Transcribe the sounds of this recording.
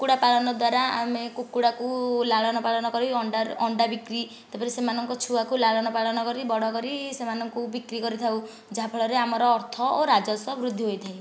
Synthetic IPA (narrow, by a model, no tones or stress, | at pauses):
kuɽapaɭɔnɔd̪waɾaa̰mekukuɽakulaɭɔnɔpaɭɔnɔkɔɾiɔɳɖaɔɳɖabikɾi | t̪apaɾisemanɔŋkɔt͡ʃʰuakulaɭɔnɔpaɭɔnɔkɔɾibɔɽɔkɔɾisemanɔŋkubikɾikɔɾit̪ʰaw | d͡ʒaɦapʰɔɭɔɾeamɔɾɔːɾt̪ʰɔoɾad͡ʒɔsɔbɾud̪ʱːiɦojt̪ʰaj